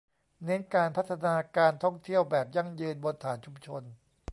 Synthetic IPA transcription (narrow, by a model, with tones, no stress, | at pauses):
nɛ˦˥nkaː˧npʰa˦˥t̪ʰːa˧naː˧kaː˧nt̪ʰɔ˥˩ŋt̪ʰi˥˩əwbɛː˨˩p̚ja˥˩ŋjɯː˧nbo˧nt̪ʰaː˩˦nt͡ɕʰu˧mt͡ɕʰo˧n